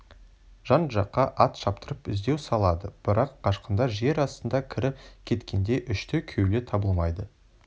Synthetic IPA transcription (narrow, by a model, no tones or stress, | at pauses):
ʒ̥ɑnʒɑqːɑʔɑt̪ʃɑpt̪əɾəpɪzd̪e̞wsɑlˠɑd̪əb̥ɪɾʔɑqːʰɑʃqənd̪ɑʒe̞ɾɑst̪ənd̪ɑkʲʰɪɾɪkʲʰe̞t̪kʲe̞nd̪e̞ʔʏʃt̪ɪkʲʰewlɪt̪ʰɑbəlˠmɑjd̪ə